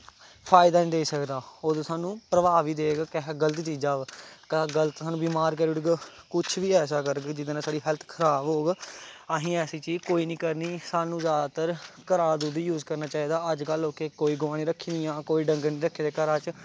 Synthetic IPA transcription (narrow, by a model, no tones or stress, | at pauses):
pʰaːɪd̪aːnːd̪eːsəkd̪aːoːd̪osaːnũːpɾəʋaːʋiːd̪eːɡkəɦɡələt̪ːt͡ʃiːd͡ʒaːʋkəɡələt̪saːnũːbiːmaːɾkɛɾɪɖɡkʊt͡ʃʰʋiːɛːsaːkəɾɡd͡ʒɪd̪ːnãːsaːɖiːɦɛlt̪ʰkʰəɾaːbɦoːɡəɦĩːɛːsiːt͡ʃiːd͡ʒkoːiːnĩːkəɾniːsaːnũːzjaːd̪aːt̪əɾkəɾaːd̪uːd̪ijuːzkəɾnaːt͡ʃaːiːd̪aːəd͡ʒkəlɦoːkeːkoːiːɡʊaːñĩːɾəkʰːiːniːãːkoːiːɖəŋɡəɾniːɾəkʰːiːd̪eːkəɾaːt͡ʃ